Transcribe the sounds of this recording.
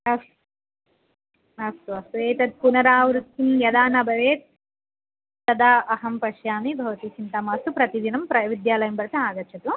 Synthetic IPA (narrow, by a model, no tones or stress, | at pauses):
ɐs | ɐst̪uɐsʋeːt̪ɐd̪̚punɐɾaːʋɾut̪ːimjɐd̪aːnɐbʱɐʋeːt̪̚ | tɐd̪aːʔɐɦɐmpɐʃjaːmibʱɐʋɐt̪isint̪ɐmaːst̪upɾɐt̪id̪inɐmpɾɐʋid̪jaːlɐjɐmpɐɾɐt̪ɐaːɡɐɾt͡ʃʰɐt̪u